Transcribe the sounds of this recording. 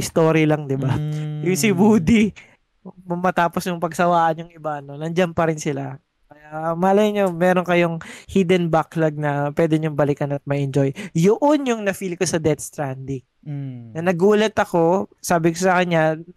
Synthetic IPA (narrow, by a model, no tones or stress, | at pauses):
ɪst̪o̞ːɾɪlɐŋd̪ɪbajʊŋsɪbuːd̪i | mʊmɐt̪aːposjʊŋpɐɡsɐwaːʔɐnjʊŋɪbaʔɐno̞nɐnd͡ʒampɐɾɪnsɪla | kɐjamɐʔɐlɐjɐɲomɛːɾonkɐjoŋhid̪ɛnbaklɐɡ̚nɐpwɛːd̪ɛɲʊŋbɐlɪkɐnɐt̪̚mɐʔɛnd͡ʒo̞jjʊʔonjʊŋnɐfiːlɪkosɐd̪ɛt̪̚st̪ɾand̪ɪŋ | nɐnɐɡuːlɐt̪ɐko̞saːbɪkosɐkɐnɲɲa